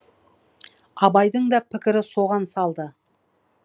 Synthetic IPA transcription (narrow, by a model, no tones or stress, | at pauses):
ɑbɑjd̪əɴd̪ɑpʰɪkʲɪɾɪso̞ʁɑnsɑlˠd̪ə